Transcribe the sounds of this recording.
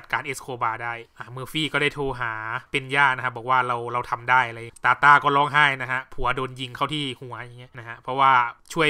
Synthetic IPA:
t̪̚kaː˨˦nʔe˦˥skʰoː˧baː˧daː˥˩jʔaː˨˩mɯ˧fiː˥˩kɔː˥˩da˥˩t̪ʰoː˧ɦaː˩˦pe˧njaː˥˩na˦kʰa˦˥˩bɔː˨˩k̚waː˥˩ɾa˧wɾa˧wt̪ʰa˧mdaː˥˩jʔa˧ɾa˧jːa˨˦t̪aː˨˧t̪aː˥˩kɔː˥˩lɔː˥˩ŋɦaː˥˩jna˦˥kʰa˦˥pʰu˨˩˦ɐdoː˧nji˧ŋkʰa˥˩wt̪ʰiː˥˩hu˨˩˦ɐja˨˩ŋːi˦˥ɐna˦˥kʰa˦˥pʰɾɔ˦˥waː˥˩t͡ɕʰu˥˩ə

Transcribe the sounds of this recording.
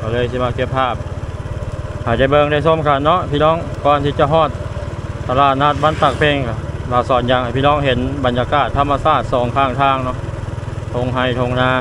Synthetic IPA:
kɔː˧˩lɤː˧˨jsi˧˦maː˧˩ke˧p̚pʰaː˧˩p̚ | ha˨˩jda˧˩jbɤː˧ŋda˧˩˨jso˧˥˨mkʰa˧˩nːɔ˧˥˨ʔpʰiː˧˥˨nɔː˧˥˨ŋkɔː˧˨nt̪ʰiː˧˩t͡ɕa˧˨ɦɔː˧˩˨t̪̚ːa˧laː˧˩t̪̚naː˧˩t̪̚ba˧˥˨nt̪a˧˩k̚pʰe˧ŋka˧˩laː˧˩sɔː˨˦nja˧ŋʔa˧˩piː˧˨ɔː˧˩˨ŋɦe˨˦nba˨˦njaː˧kaː˧˩t̪ʰːa˧mːa˧saː˧˩t̪̚sɔː˨˦ŋkʰaː˧˩ŋt̪ʰaː˧˥˨ŋnɔ˧˥ʔt̪ʰo˧ŋɦa˧˩˨jt̪ʰo˧ŋnaː˧˥˨

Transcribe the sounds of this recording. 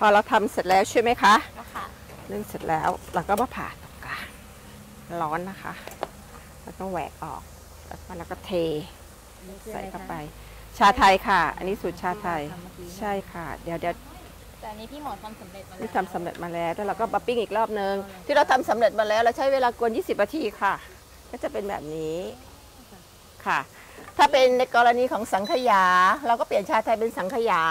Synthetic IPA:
pʰɔː˧ɾa˧wt̪ʰa˧mse˨˩t̪̚lɛː˦˥wt͡ɕʰu˥˩jma˦˥jkʰa˦˥ʔ | nɯ˧˩ŋse˨˩t̪̚lɛː˦˥wɾa˧wkɔː˥˩bɔː˧˨˩pʰa̰ː˨˩t̪ːɔː˨˩kkːaː˨˩n | lɔː˦˥nːa˦˥kʰa̰˦˥ʔ | laː˧˥wkɔː˥˩wɛ̰ː˨˩k̚ʔɔ̰ː˨˩k̚ | la̰˧˥kɔː˧˩laː˧˥wkɔː˥˩t̪ʰeː˧ | sa̰˨˦jka˧˩pa˧j | t͡ɕʰaː˧t̪ʰa˧jkʰa˥˩ʔa̰˧nːi˦˥su˨˩t̪̚t͡ɕʰaː˧wt̪ʰa˧jt͡ɕʰa˥˩jkʰa˥˩dɛ˧wdɛː˧˨ | ni˦iː˥˩mɔː˨˩t̪ʰa˧ma˨˦˨t̪̚ʰiː˥˩t̪ʰa˧msa˨˩˦mɾḛ˨˩t̪̚maː˧lɛː˦˥wt̪ʰɛː˧˩ɾa˧wkɔː˥˩ma˧pi˥˩ŋʔiː˨˩k̚ɾɔː˥˩p̚nɯ˧ŋt̪ʰiː˥˩ɾa˧wt̪ʰa˧msa˨˩˦mɾe˨˩t̪̚maː˧lɛː˦˥wɾa˧wt͡ɕʰa˦˥jweː˧laː˧ku˧ənjiː˥˩si˨˩p̚naː˧t̪ʰiː˧kʰa˥˩ | kɔː˥˩t͡ɕa˨˩pe˧nbɛ̰ː˨˩p̚niː˦˥ | kʰa˥˩ | t̪ʰaː˥˩pe˧nːa˧jkɔː˧ɾa˧niː˧kʰɔː˩˦ŋsa˨˩˦ŋkʰa˧jaː˩˦ɾa˧wkɔː˥˩pli˨˩ənt͡ɕʰaː˧wt̪ʰa˧jpe˧nsa˨˩˦ŋkʰa˧jaː˩˦

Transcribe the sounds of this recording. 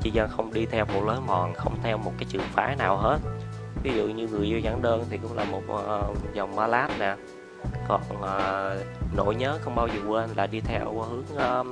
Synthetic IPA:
t͡ɕi˧zaː˧xə˧wŋ͡mɗi˧t̪ʰɛ˧wmo˨˩t̚ləː˨˦jmɔ˨˩nxə̰˧wŋ͡mt̪ʰɛ˧wmo˨˩t̚kaː˨˦jt͡ɕɨ̰˨˩əŋfa̰ː˨˦jnaː˨˩wɦe˦˥t̚vi˨˦zṵ˧˨ɲɨ˧ŋɨ˨˩əjzɔ˧zaː˧˩˦nɗəː˧nt̪ʰi˨˩kʊ̰˧˥ŋ͡mlaː˨˩mo˨˩t̚ːzə˨˩wŋ͡mmaː˧laː˦˥t̚nɛː˨˩ | kɔ˨˩nʔəː˨˩no̰˧˥jɲəː˨˦xə˧wŋ͡mɓaː˧wzəː˨˩kwe˦ʔnla̰ː˨˩ɗi˧t̪ʰɛ˧whɨ˨˦əŋʔː

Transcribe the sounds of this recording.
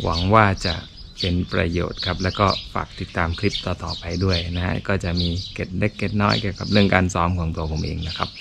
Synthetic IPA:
wʔa̰˩˦ŋwaː˥˩t͡ɕa̰˨˩ʔ | pe˧npɾa̰˧jo̰ː˨˩t̪̚kʰa˦˥p̚lɛː˦˥wkɔː˥˩fa̰ː˨˩k̚t̪i˨˩t̪ːaː˧mkʰɾi˦˥p̚t̪ɔː˧t̪ɔː˨˩pa˧jdu˥˩əjna˦˥ha̰˦˥kɔː˥˩t͡ɕa˨˩miː˧ke˨˩t̪̚le˦˥kːe˨˩t̪̚nɔː˦˥jki˨˩əwka˨˩p̚ɾɯ˥˩əŋkaː˧nsɔː˦˥mkʰu˧əŋt̪u˧ɐpʰo˩˦mʔḛː˧ŋna˦˥kʰa˦˥p̚

